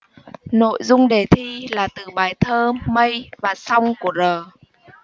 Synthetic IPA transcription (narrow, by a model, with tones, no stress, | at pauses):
no̰˧˨jzʊ˧ŋ͡mɗe˧˩t̪ʰi˧laː˨˩t̪ɨ˨˩ɓaː˨˩jt̪ʰəː˧mə˧jvaː˨˩sa˧wŋ͡mku˧˩əzəː˨˩